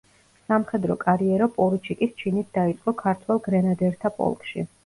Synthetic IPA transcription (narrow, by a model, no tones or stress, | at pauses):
samχɛd̪ɾɔkʼaɾiɛɾɔpʼɔlit͡ʃʰikʼist͡ʃʰinit̪̚ʰd̪ait̪sʼqʼɔkʰaɾt̪ʰwɛlˠɡɾɛnad̪ɛɾt̪ʰapʼɔ̰lˠkʼʃḭ